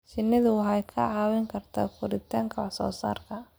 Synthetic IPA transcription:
t͡ʃɪnːɪðʊwɦɑjkʰɐʕɑːwɪŋkʰɐrt̪ʰakʰʊɾɪt̪ʰaːŋkʰɐwħsɔ̰ːsa̰ːrkʰɐ

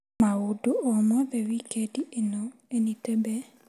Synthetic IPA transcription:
maodoɔmɔðɛwikediʔenɔenitebe

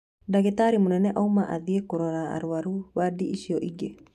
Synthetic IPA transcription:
daɣetaɾimonɛnɛʔaumaʔa̰ðiekoɾɔɾaa̰ɾoaɾuβadiʔiʃiɔʔiɡe

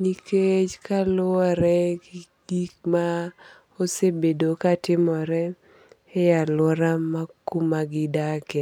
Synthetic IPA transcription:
niket͡ʃkalʊɔɾɛɡiɡikma | osebedokatɪmɔɾɛ | ɛjalɔɾamakumaɡɪdakɛ

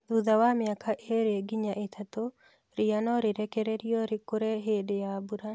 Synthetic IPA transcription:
d̪uðawamɪakʰaʔeɾeɡiɲaʔet̪ʰat̪o | ɾianɔɾɪɾɛkɛɾeɾiɔɾɪkoɾeɦedjabuɾa

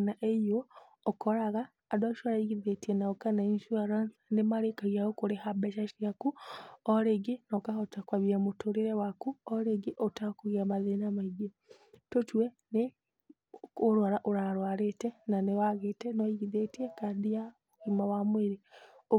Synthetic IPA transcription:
naʔejoː | kɔɾaɣaː | daʃaɾaiɣiðetienaokanainʃuaɾansanemaɾekaɣiaokoɾehabɛʃaʃiakuɔɾeɡinɔkaotakwaβiɾamotoɾiɾewakuɔɾeɡiʔotakoɣiamaðenamaiɡe | totuwe | ne | oɾwaɾaʔoɾaɾwaɾetɛnanewaɣetɛnɔiɣiðetiekadija | ɣimawamweɾio

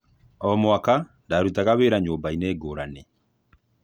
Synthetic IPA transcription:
ɔmwakandaɾutaɣaβeːɾaɲoːmbaineːɡoːɾane

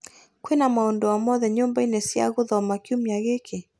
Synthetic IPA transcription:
kwenamaɔndɔwamɔðɛɲɔmbainesja̰ɣoðɔmakiumjaɣekʰe

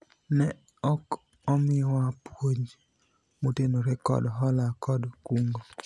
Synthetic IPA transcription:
nɛ | ɔk | ɔmɪɔapwoɲd͡ʒ | motenoɾɛkɔ̰dɦɔlakɔdkuŋɡo

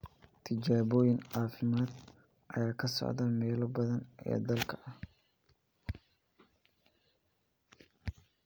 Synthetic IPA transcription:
t̪ʰɪd͡ʒaːβɔːjɪnʕaːfɪmaːd̪ | ʔɐjaːkʰɐsɔ̰ʕðɐmɛːlɔbɐðɐnʔɛ̰ːd̪ɐlkʰɐɐh

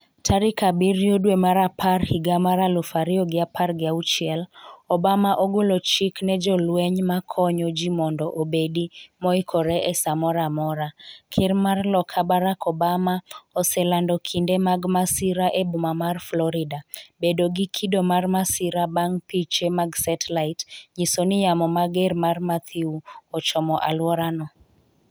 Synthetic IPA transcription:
tʰaɾikabiɾjodwemaɾapʰarhiɡamaɾalofaɾioɡɪaparɡɪaut͡ʃɪɛlɔbamaʔoɡolot͡ʃiknɛd͡ʒɔlwɛɲmakʰɔɲɔd͡ʒimɔndɔʔobedimɔikʰɔɾɛʔɛsamɔɾamɔɾakʰɪrmarlɔkʰabaɾakʰɔbamaɔsɛlandɔkʰindemaɡmasiɾaʔebʊmamarflɔɾɪdabedoɡikʰidomarmasiɾabaŋpit͡ʃemaɡsɛtlaɪtɲisonɪjamɔmaɡɛrmarmat̪ʰiuɔt͡ʃɔmɔʔa̰lwɔɾanɔ

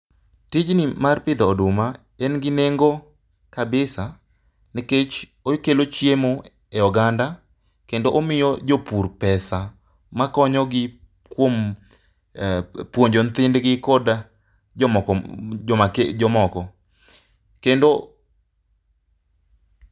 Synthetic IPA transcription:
tɪd͡ʒnɪmarpɪd̪ɔːdʊma | ɛnɡɪneŋɡo | kabɪsa | niket͡ʃ | ojkelot͡ʃjemo | ɛɔɡanda | kendoʔomɪjɔd͡ʒopuɾpɛsa | makɔɲɔɡɪ | kwom | pwoɲd͡ʒont̪ɪndɡɪkɔda | ɔmaked͡ʒɔmɔkɔ | kendo

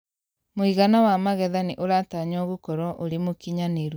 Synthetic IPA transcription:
moiɣanawamaɣɛðaneʔoɾataɲɔɣukɔɾɔʔoɾemokiɲaneɾ

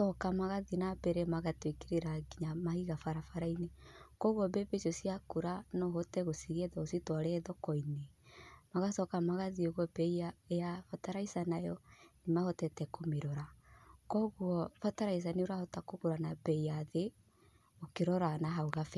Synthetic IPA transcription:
sɔkamaɣaðinabɛɾɛmaɣatwekeɾeɾaɡiɲamahiɣafaɾafaɾainekɔɣwɔbɛbesɔsiakuɾanɔɦɔtɛɣosiɣeðɔositwaɾɛðɔkɔinemaɣasɔkamaɣaðioɣwɔbɛiaejafataɾaisanajɔnemahɔtɛtɛkomeɾɔɾakɔɣwɔfataɾais̬aneoɾahɔtakokoɾanabɛiaðe | okeɾɔɾanaɦauɣafɛ

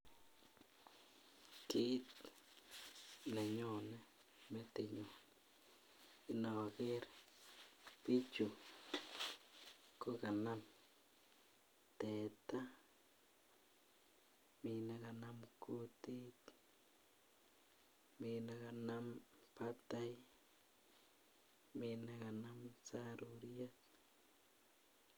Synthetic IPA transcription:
kit̪ | neɲone | met̪eɲon | inawaɡeɾ | pit͡ʃu | kokanam | t̪et̪a | minaɡanamkut̪it̪ | minaɡanampat̪aj | minaɡanamsaɾuɾjat̪̚

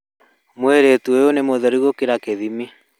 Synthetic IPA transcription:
mweɾetuojonemoðɛɾiɣokeɾakeðimi

